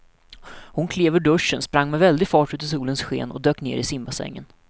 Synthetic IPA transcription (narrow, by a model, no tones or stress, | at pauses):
hʊnkʰleːvɵɖɵʂənspɾaŋːmɛvɛld̪ɪɡfɑːʈʉ̟ːt̪ɪs̬uːlənsɧḛːnɔ̰d̪øːknḛːɾɪsɪmbasɛ̰ŋːə̰n